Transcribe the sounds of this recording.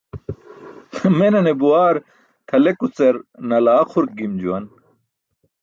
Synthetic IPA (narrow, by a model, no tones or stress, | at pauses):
menɐnebuaːɾ | t̪ʰɐlekut͡sɐɾnɐlaːxʰuɾ̚ɡimd͡ʑuwɐn